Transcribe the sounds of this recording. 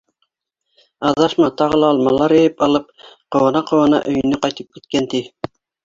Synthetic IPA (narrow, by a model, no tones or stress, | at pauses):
ɑðɑʃmɑt̪ɑʁɤ̆lˠɑːlˠmɑlˠɑɾɘ̆jɘpɑlˠɤp̚qɤ̆wɤ̆nɑqɤ̆wɤ̆nɑ̰ʔɵ̆jɘ̆nɘqɑjt̪ɤp̚kit̪̚kænt̪i